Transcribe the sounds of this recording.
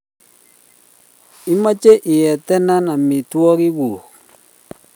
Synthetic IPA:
i˦ma˦t͡ʃe˦ʔɪ˨jɛ˨t̪ɛ˦na˦na˨mɪ˨twɔ˦kɪ˦wu˨k

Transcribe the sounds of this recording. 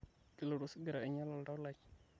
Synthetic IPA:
ki˨lo˨ɾu˨sɡə˨ɾa˨ə˨ɲa˦la˨lda˦la˨k

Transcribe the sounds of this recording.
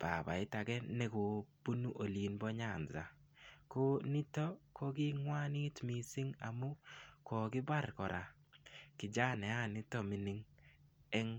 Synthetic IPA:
b̥a̰˨ba̰˨ɪ˦ta˨kɛ˦nɛ˨ko˨b̥u˦nu˦ʔo˨li˨nbɔ˦ɲa˦˨nza̰˨ | ko˦ni˦to˦ko˦ɡɪ˦ŋwa˦nɪ˦tmi˨sɪ˦ŋa̰˨mu˦ko˨ɡɪ˦ba˦ɾkɔ˨ɾʔa˨ | kɪ˨d͡ʒa˦nɛ˨a˦˨nɪ˦to˦mɪ˨˦nɪ˦ŋ | ɛ˦ŋ

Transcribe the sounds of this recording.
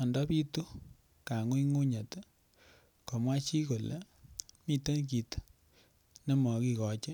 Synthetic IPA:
ɔ˨ndɔ˦pi˦tu˦ | ka˨ŋu˦i˦ŋo˦ɲa˨t | kɔ˨mwa˦t͡ʃi˦ko˨lḛ˨mi˦tə˦nk̬i˨t | ne˦mɔ˨ki˧kɔ˨t͡ʃe˦

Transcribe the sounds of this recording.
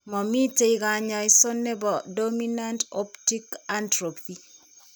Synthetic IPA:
mɔ˨mi˦te˨i˦ka˨ɲa˨i˦sɔ˦nːɛ˦bɔ˨domi˦na˦nto˦pti˦ka˦ntɾo˨pi˦

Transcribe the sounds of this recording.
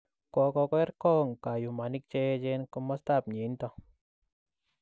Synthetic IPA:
kɔ˧kɔ˧kɔ˦ɛ˦ɾkɔ˦˨ŋka˨ju˨ma˨ni˦k̚t͡ʃɛ˦d͡ʒɛ˦nkɔ˧mɔ˦st̪a˦˨p̚ɲe˨˦nt̪ɔ˧

